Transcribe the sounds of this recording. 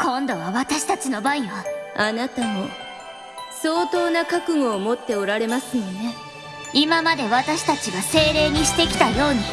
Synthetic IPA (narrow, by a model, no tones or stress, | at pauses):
kõ̞nd̪o̞β̞aβat̪aɕi̥t̪at͡ɕino̞baɲ̟iβaanat̪ano̞ | so̞ːt̪o̞ːnakakɯ̟ŋo̞ːmo̞t̪ːe̞oɾaɾe̞masɨjone̞ | imamad̪e̞βat̪aɕi̥t̪at͡ɕiɡase̞ːɾe̞ːɲ̟iɕi̥t̪e̞kʲi̥t̪ajo̞ːɲ̟i